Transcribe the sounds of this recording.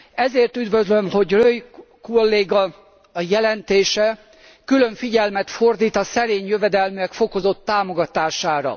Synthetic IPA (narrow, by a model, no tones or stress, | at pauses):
ɛzeːrt̪yd̪vøzlømho̞ɟrøjkolːeːɡɒ | jɛlɛnt̪eːʃɛ | kyløɱfiɟɛlmɛt̪fo̞rd̪iːt̪ɒsɛɾeːɲjøvɛd̪ɛlmyɛkfo̞ko̞zo̞t̪ːaːmo̞ɡɒt̪aːʃaːɾɒ̰